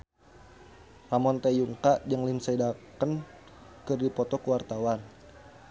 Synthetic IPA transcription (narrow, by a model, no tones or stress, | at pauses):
ramɔnt̪ejuŋkaʔd͡ʒəŋlinsɛdakən | kɨrdipɔt̪ɔkuwart̪awan